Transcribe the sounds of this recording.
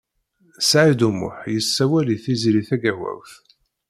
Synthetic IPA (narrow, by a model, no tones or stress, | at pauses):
sʕid̪umʊ̰ħjəsːæwæliθizɾiθæɡæwæ̰wθ